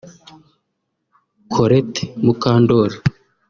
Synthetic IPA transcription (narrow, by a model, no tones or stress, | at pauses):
kʰoɾete̥mukaːndoɾa